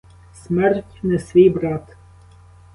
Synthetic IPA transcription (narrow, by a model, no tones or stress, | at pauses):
sʲmʲɛɾʲtʲnʲɛsʲʋʲiːbɾat̪